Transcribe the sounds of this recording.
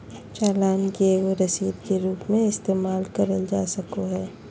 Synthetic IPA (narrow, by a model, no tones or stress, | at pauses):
t͡ʃaːlaːnkeeɡoɾɐsiːd̪keɾuːpmẽɪst̪eːmaːlkɐɾəld͡ʒaːsɐkoɦɛː